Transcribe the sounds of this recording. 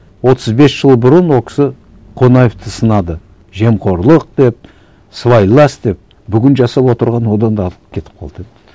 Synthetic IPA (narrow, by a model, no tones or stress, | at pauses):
wo̞t̪ʰəzbe̞sʒ̥əlˠbʊɾənwokʰʲɪ̥sɪ | qʰo̞nɑjeft̪əsənɑd̪ə | ʒe̞mqʰo̞ɾlˠəq̚d̪e̞p̚ | svajlˠɑst̪d̪e̞p̚ | bʏɡʲɪnʒɑsɑpwo̞t̪əɾʁɑnwo̞d̪ɑnd̪ɑt̪ˠəpkʲʰe̞t̪ɪ̥p̚qʰɑ̰lˠd̪əe